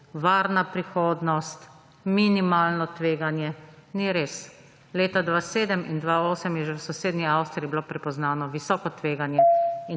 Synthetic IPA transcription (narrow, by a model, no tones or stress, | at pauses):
ʋaːɾnapɾixoːd̪nɔst̪ | minimaːlnɔt̪ʋeːɡanjɛniɾeːs | leːt̪ad̪ʋaːseːd̪əmḭnd̪ʋaoːsəmjɛʒɛwsɔseːd̪nʲiawst̪ɾiibilopɾɛpɔznaːnɔʋisɔːkɔt̪ʋeːɡanjɛi